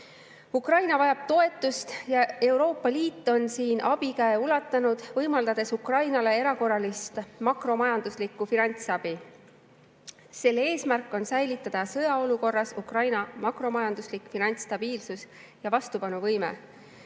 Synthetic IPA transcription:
ukrɑjnɑvɑjɑb̥t̪o̞e̞t̪ːˑust̪jɑe̞wɾo̞ːpːɑliːt̪ːˑo̞nsiːnʔɑb̥ikæeulɑt̪ːˑɑnud̪̥vɤjmɑld̪̥ɑd̪̥e̞sukrɑjnɑle̞eɾɑko̞rɑlist̪mɑkro̞mɑjɑnd̪uslikːˑufinɑnʲt̪sɑb̥i | se̞lːee̞ːsmærkːˑo̞nsæjlit̪ˑːɑd̪̥ɑsɤ̞jɑo̞luko̞rːɑsukrɑjnɑmɑkro̞mɑjɑnd̪̥uslikfinɑnʲt̪st̪ɑb̥iːlsus | jɑvɑst̪upɑnuvɤjmḛ

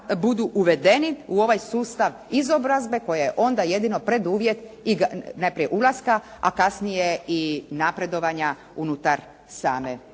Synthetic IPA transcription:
bud̪uʔuʋe̞d̪e̞niuo̞ʋajsuːst̪aʋ | izo̞bɾazbe̞ko̞jajeʔo̞nd̪aje̞d̪ino̞pɾe̞d̪uːʋje̞t̪iɡanajpɾijeʔulˠaskaa̰kasnije̞inapɾe̞d̪o̞ʋaɲa | unut̪aɾ | saːme

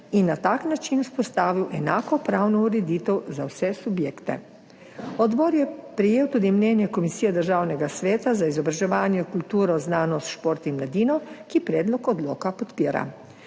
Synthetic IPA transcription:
inːat̪aːknat͡ʃinuspɔst̪aːʋiwʔɛnaːkɔpɾaːwnɔuɾɛd̪iːt̪ɛwzawsɛsubjeːkt̪ɛ̰ | ɔd̪bɔːɾjɛpɾɛjeːwt̪uːd̪imnɛːnjɛkɔmisiːjɛd̪əɾʒaːwnɛɡasʋɛːt̪azaizɔbɾaʒɛʋaːnjɛkult̪uːɾɔznaːnɔst̪ʃpoːɾt̪imlad̪iːnɔkipɾɛːd̪lɔkɔd̪lo̰ːkapɔt̪piːɾa̰

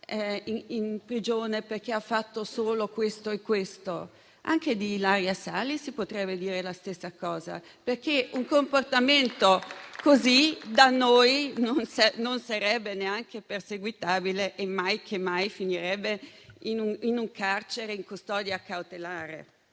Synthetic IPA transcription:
ɛiinpɾid͡ʒoːneperk̟eafːat̪ːosoːlokwest̪oekːwest̪o | a̰ŋked̪ilaɾjasalisipot̪ɾɛbːed̪iːɾelast̪esːakɔːza̰ | perk̟ːeuŋkomport̪ament̪okozid̪anːojnonsanonsaɾɛbːeneaŋkeperseɡwit̪aːbileʔemːajkʰemːajfiniɾɛbːeinuŋinuŋkart͡ʃeɾeiŋkust̪ɔːd̪jaːkːawt̪elaːɾḛ

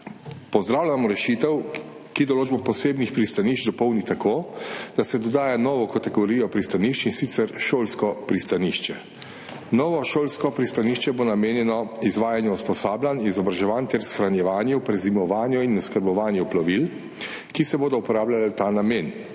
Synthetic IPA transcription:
pɔzd̪ɾaːwlʲamɔɾɛʃit̪ɛw | kid̪ɔloːd͡ʒbɔpɔseːbnixpɾist̪aniːʃt͡ʃd̪ɔpɔwnit̪akoːd̪̥asɛd̪ɔd̪aːjanɔːʋɔkat̪ɛɡɔɾiːjɔpɾist̪aniːʃt͡ʃinsit̪sɛɾʃoːlskɔpɾist̪aniʃt͡ʃɛ | nɔːʋɔʃoːlskɔpɾist̪aniʃt͡ʃɛbonameːnjɛnɔizʋaːjanjɛuspɔsaːblʲanizɔbɾaʒɛʋaːnt̪ɛɾsxɾanjɛʋaːnjupɾɛzimɔʋaːnjɔinːɛskadbɔʋaːnjɔplaʋil | kisɛboːd̪ɔupɔɾaːblʲalat̪aːnameːn

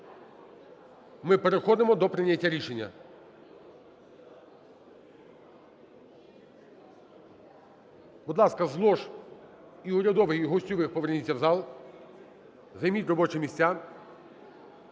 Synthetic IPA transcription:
mɪpeɾexɔd̪ɪmɔd̪ɔpɾɪnʲatʲːaɾʲiʃenʲːɐ̰ | bud̪lˠɑskɐzlˠɔʃ | iʊɾʲɐd̪ɔʋɪjɦɔsʲtʲɔʋɪxpɔʋernʲitʲːɐwzɑlˠ | zɐjmʲitʲrɔbɔt͡ʃɪmʲisʲt͡sʲa

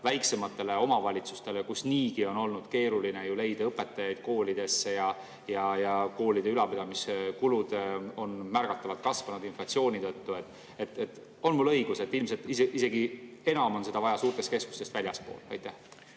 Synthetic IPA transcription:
væjkse̞mɑt̪ːˑe̞le̞o̞mɑvɑlʲit̪su̥st̪e̞lekusniːɡ̥io̞no̞lnud̪̥ke̞ːɾuline̞jule̞jd̪̥ɑɤpːˑe̞t̪ːˑɑjɑjd̪̥̚ko̞ːlid̪̥e̞sːe̞jɑ | jɑjɑko̞ːlid̪̥e̞ylɑpid̪ɑmiskulud̪̥o̞nmærɡ̥ɑt̪ːˑɑvɑt̪̚kɑsvɑnud̪inflɑt̪sio̞ːnʲit̪ɤt̪ːue̞t̪ːˑ | e̞t̪ːˑet̪ːˑ | o̞nmulːɤ̞jɡ̥use̞t̪ːilmselt̪iseise̞ɡie̞nɑmo̞nse̞d̪̥ɑvɑjɑsuːrt̪est̪kesku̥st̪e̞st̪vælʲjɑspo̞̰ːlɑ̰jt̪ːæh

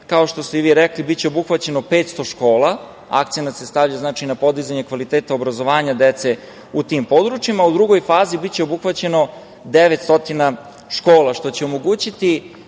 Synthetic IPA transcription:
kao̞ʃt̪o̞st̪eiʋiːɾeklibit̪̚t͡ɕeobuxʋat͡ɕe̞nopeːt̪st̪o̞ʃko̞ːlˠa | a̰kt̪senat̪se̞st̪aʋʎaznaːt͡ʃinapo̞d̪izaɲe̞kʋalit̪eːt̪aobɾazo̞ʋaːɲad̪et̪se̞ | ut̪impo̞d̪ɾut͡ʃimaːud̪ɾuɡo̞jfaːzibit̪t͡ɕeobuxʋat͡ɕe̞no̞ | d̪eʋet̪st̪o̞t̪ina | ʃko̞ːlˠaʃt̪o̞t͡ɕe̞omo̞ɡuːt͡ɕit̪i

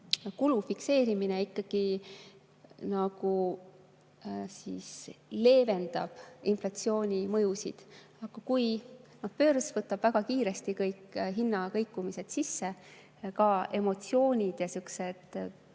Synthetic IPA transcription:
kulufikse̞ːɾimineikːɑɡ̥i | nɑɡ̥u | sḭsle̞ːve̞nd̪̥ɑ̰b̥inflɑt̪sio̞ːnʲimɤjusḭd̪̥ | ɑɡ̥ɑkujnohpø̞ːrsvɤt̪ːˑɑb̥væɡ̥ɑkiːɾe̞st̪ikɤjkːɦinːɑkɤjkːˑumise̞d̪̥sisːe̞ | kɑe̞mo̞t̪sio̞ːnʲid̪̥jɑsykse̞d̪̥

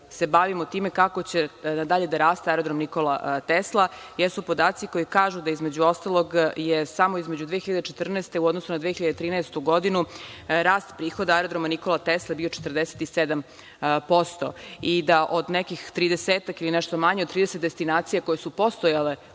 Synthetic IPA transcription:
se̞baʋimot̪iːme̞kakot͡ɕe̞nad̪aʎed̪aɾaːst̪eajɾod̪ɾomnikolat̪eslˠajɛsupo̞d̪aːt̪siko̞jikaːʒud̪aizme̞d͡ʑuo̞st̪alˠo̞ɡjesamoizme̞d͡ʑud̪ʋeːxiʎad̪et͡ʃet̪r̩nɛːst̪e̞uod̪nosunad̪ʋexiʎad̪et̪ɾiːnɛɛst̪uɡo̞d̪inuɾaːst̪pɾiːxod̪aaeɾod̪ɾomaniko̞lˠat̪eslˠabio̞t͡ʃet̪r̩d̪eset̪ised̪am | po̞st̪o̞̰id̪aʔod̪nekixt̪ɾiːd̪eseːt̪akilinɛʃt̪o̞maɲed̪t̪ɾiːd̪eset̪d̪est̪inaːt̪sijako̞jesupo̞st̪ojale

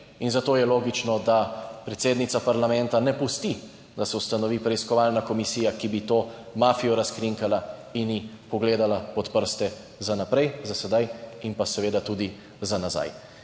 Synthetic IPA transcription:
inzat̪oːjɛloːɡit͡ʃnɔd̪apɾɛt̪seːd̪nit̪sapaɾlamɛ̃nt̪anɛpust̪i | d̪asɛwst̪anɔʋiːpɾɛiskɔʋalnakɔmisiːjakibit̪oː | maːfijɔɾaskɾiŋkalainji | pɔɡleːd̪alapɔt̪pəɾst̪ɛ | zanapɾɛjzasɛd̪ajinpasɛʋeːd̪at̪uːd̪i | zanaza̰j

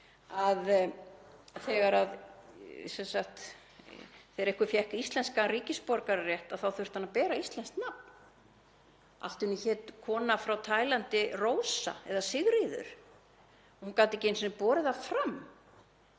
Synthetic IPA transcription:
að | θɛːɣaɾað | sɛnsaxt̪ | θɛðɾɛhkʏfjɛhkist̪lɛnskariːcɪspɔɾkaɾarjɛht̪aðθawθʏr̥t̪hanːapɛːɾaist̪lɛnst̪nap̚n | ʔa̰l̥t̪ʏnːʏçɛːt̪kʰɔːnafɾawt̪ʰaːjlant̪ɪrowsa̰ɛ̰ðasɪɣɾiðʏ̰ɾ̥ | ɔhunkaːwt̪ɪcejnsnɪpɔːɾɪðafɾam

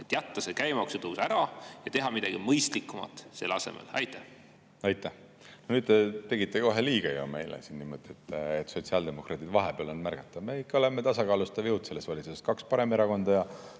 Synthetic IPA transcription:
et̪ːˑjæt̪ːɑsekæjmɑksut̪ɤwsæɾɑjɑt̪e̞ɦɑmid̪ɑɡ̥imɤjst̪likːˑumɑ̰t̪ˑse̞̰lːɑ̰se̞̰mḛlɑ̰jt̪ːˑæh | ɑjt̪ːˑæh | nonyːd̪̚t̪et̪e̞ɡit̪ːˑeko̞ɦeliːɡ̥ɑjo̰me̞̰jlḛsinniːmo̞d̪̥iet̪ːˑet̪ːso̞t̪ʲsiɑld̪e̞mo̞krʔɑːt̪id̪̥vɑɦepeɑlo̞nmærɡ̥ɑt̪ːˑɑme̞ikːɑo̞lemːet̪ɑsɑkɑːlust̪ɑvjɤwt̪se̞lːestvɑlʲit̪suseskɑkspɑɾe̞meɾɑko̞nd̪̥ɑjɑ

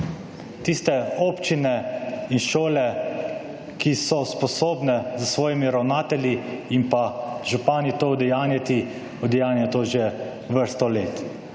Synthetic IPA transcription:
t̪ist̪ɛoːpt͡ʃinɛinʃoːlɛ | kisɔspɔsoːbnɛzəsʋɔːjimiɾawnaːt̪ɛlʲiːmpaʒupaːnit̪oːɔd̪ɛjaːnjat̪i | ɔd̪ɛjaːnjɛt̪oːʒe | ʋəɾst̪ɔleːt̪

